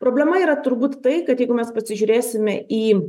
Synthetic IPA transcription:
pɾoːbʲlʲɛmɐiːɾɐt̪ʊɾbuːt̪t̪ɐɪkɐt̪jɛɪɡʊmʲɛspɐsʲɪʒʲʊːɾʲeːsʲɪmʲɛiː

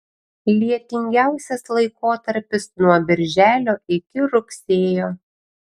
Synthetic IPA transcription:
lʲiɛt̪ʲɪŋʲɡʲæˑʊsʲɛslˠɐɪkoːt̪ɐɾʲpʲɪsnuɔbʲɪɾʲʒʲæːlʲoːɪkʲɪɾʊksʲeːjoː

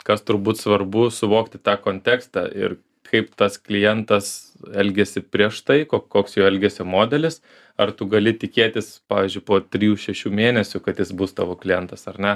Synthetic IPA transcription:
kɐst̪ʊɾbuːt̪sʋɐrbʊsʊʋoːkt̪ʲɪt̪ɑːkoːnʲt̪ʲɛːkst̪ɑ̰ɪ̰r | kʰɐɪpt̪ɐsklʲɪjɛnt̪ɐs | ɛlʲɡʲɛsʲɪpʲɾʲiɛʃt̪ɐɪkoːkoːksjɛʊɛlʲɡʲɛsʲɪmoːd̪ʲɛlʲɪs | ɐrt̪ʊɡɐlʲɪt̪ʲɪkʲeːt̪ʲɪspɑːʋʲiːzʲd͡ʒʊɪpoːt̪ʲɾʲɪjuːʃʲɛʃʲuːmʲeːnʲɛsʲʊkɐt̪jɪsbust̪ɑ̰ːʋoːklʲɪjɛnt̪ɐsɐrnʲɛ

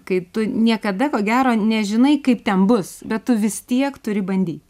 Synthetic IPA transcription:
kɐɪt̪ʊnʲiɛkɐd̪ɐkoːɡʲæːɾoːnʲɛʒʲɪnɐɪkɐɪpt̪ʲɛnbʊsbʲɛt̪t̪ʊʋʲɪst̪ʲiɛkt̪ʊɾʲɪbɐnʲd̪ʲiːt̪ʲ

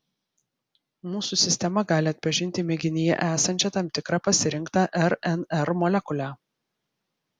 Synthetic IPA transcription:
muːsuˑsʲɪsʲt̪ʲɛmɐɡɑːlʲɪɐt̪ʲpɐʒʲɪnʲt̪ʲɪmʲɛɡʲɪnʲɪjɛ̰ʔæːsɐnʲt͡ʃʲɛt̪ɐmt̪ʲɪkɾɑpɐsʲɪɾʲɪŋkt̪ɑʔɛɾɛnɛɾmɔlʲɛkʊlʲæː

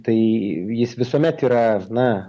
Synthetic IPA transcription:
t̪ɐɪjɪsʋʲɪsuɔmʲɛt̪iːɾɐnɐ

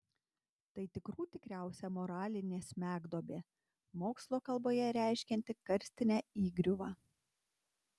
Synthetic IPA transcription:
t̪ɐɪt̪ʲɪkɾuːt̪ʲɪkɾʲæˑʊsʲɛmɔɾɑːlʲɪnʲeːsʲmʲæːɡd̪oːbʲeː | moːkslˠoːkɐlˠboːjɛɾʲæˑɪʃʲkʲɛnʲt̪ʲɪkɐɾʲsʲt̪ʲɪnʲæːiːɡɾʲʊʋɑː

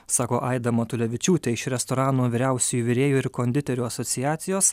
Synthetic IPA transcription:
sɑːkoːʔɐɪd̪ɐmoːt̪ʊlʲɛʋʲɪt͡ʃʲuːt̪ʲɛɪʃɾʲɛst̪ɔɾɑːnuːʋʲiːɾʲæˑʊsʲɛjuːʋʲɪɾʲeːjuːɪɾkoːnʲd̪ʲɪt̪ʲɛɾʲuːɐsɔt̪sʲɪjæːt̪sʲɪjoːs

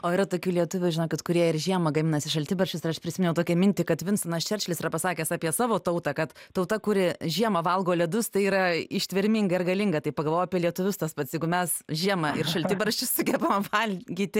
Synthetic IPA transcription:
oːɪɾɐt̪oːkʲuːlʲiɛt̪ʊʋʲʊʒʲɪnoːkʲɪt̪kʊɾʲiɛɪrʒʲiɛmɐɡɐmʲɪnɐsʲɪʃɐlʲtʲɪbɐrʃʲt͡ʃʲʊsɪɾɐʃpʲɾʲɪsʲɪmʲɛnʲɛʊt̪oːkʲɛmʲɪnʲtʲɪkɐt̪ʋʲɪnsɐnɐst͡ʃʲɛrʲt͡ʃʲlʲɪsiɾɐpɐsɑːkʲeːsɑːpʲiɛsɑːʋoːt̪ɐʊt̪ɑkɐt̪t̪ɐʊt̪ɐkʊɾʲɪʒʲiɛmɐʋɐlˠɡoːlʲɛd̪ʊst̪ɐɪiːɾɐɪʃʲt̪ʲʋʲɪɾʲmʲɪŋɡɐɪrɡɐlʲɪŋɡɐt̪ɐɪpɐɡɐlˠʋoːjɐpʲiɛlʲiɛt̪ʊʋʲʊst̪ɐspɐt̪sʲjɛɪɡʊmʲɛsʒʲiɛmɐɪrʃɐlʲt̪ʲɪbɐɾʲʃʲt͡ʃʲʊssʊɡʲɛbɐmʋɐlʲɡʲiːt̪ʲɪ

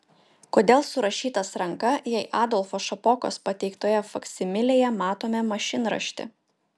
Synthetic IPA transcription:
koːd̪ʲeːlˠsʊɾɐʃʲiːt̪ɐsɾɐŋkɐjɛɪʔɑːd̪ɔlˠfoːʃɐpɔko̰spɐt̪ʲɛɪkt̪oːjɛfɐksʲɪmʲɪlʲeːjɛmɑːt̪oːmʲɛmɐʃʲɪnɾɐ̰ʃʲt̪ʲɪ̰

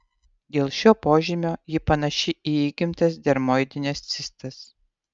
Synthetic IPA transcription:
d̪ʲeːlˠʃʲoːpoːʒʲɪmʲoːjɪpɐnɐʃʲɪʔiiːɡʲɪmʲt̪ɐs̬d̪ʲɛɾmod̪ʲɪnʲɛst̪sʲɪst̪ɐs

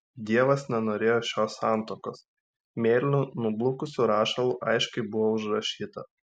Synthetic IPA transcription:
d̪ʲiɛʋɐsnʲɛnoːɾʲeːjoːʃʲoːsɑˑnt̪oːkoːs | mʲeːlʲɪnʲunʊblˠʊkʊsʲuɾɑːʃɐlˠuʔɐɪʃkɐɪbʊʋoʊʒɾɐʃʲiːt̪ɐ

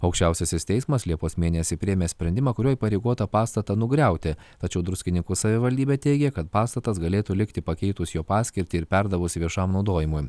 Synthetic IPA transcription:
ɐʊkʃʲt͡ʃʲɛʊsʲɛsʲɪst̪ʲɛɪsmɐslʲiɛpoːsmʲeːnʲɛsʲɪpʲɾʲɪjɛmʲeːsʲpʲɾʲɛnʲd̪ʲɪmɐkʊɾʲuɔipɐɾʲɛɪɡoɔt̪ɐpɑːst̪ɐt̪ɐnʊɡɾʲɛˑʊt̪ʲɪt̪ɐt͡ʃʲɛʊd̪ɾʊsʲkʲɪnʲɪŋkʊsɐʋʲɪʋɐlʲd̪ʲiːbʲet̪ʲɛɪɡʲɛkɐt̪pɑːst̪ɐt̪ɐsɡɐlʲeːt̪ulʲɪkt̪ʲɪpɐkʲɛɪt̪ʊsjoːpɑːsʲkʲɪɾʲt̪ʲɪɪɾpʲɛɾd̪ɐʋʊsʲʋʲiɛʃɐmnɒʊd̪oːjɪmʊj

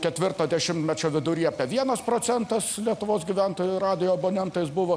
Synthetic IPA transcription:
kʲɛt̪ʲʋʲɪrt̪ɐːd̪ʲɛʃʲɪmt̪mʲɛt͡ʃʲoʋʲɪd̪ʊɾʲiːɐpʲɛʋʲiɛnɐspɾoːt͡s̪ʲɛnt̪ɐslʲiɛt̪ʊʋoːsɡʲiːʋʲæˑnt̪oːjʊrɑːd̪ʲɪjoːɐboːnʲɛnt̪ɐɪsbʊʋoː

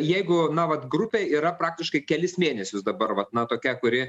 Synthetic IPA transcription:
jɛɪɡʊnɐʋɐt̪ɡrʊpʲeːiːɾɐpɾɑːkt̪ʲɪʃkɐɪkʲɛlʲɪsmʲeːnʲɛsʲʊsd̪ɐbɐrʋɐt̪nɐt̪oːkʲɛkʊɾʲɪ

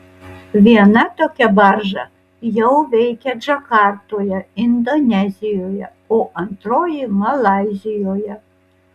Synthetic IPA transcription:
ʋʲiɛnɐt̪oːkʲɛbɑʒɐ | jɛʊʋʲɛɪkʲɛd͡ʒɐkɑɾt̪oːjɛɪnd̪onʲɛzʲɪjoːjɛ | oːʔɐnt̪ɾoːjimɐlˠɑˑɪzʲɪjoːjɛ

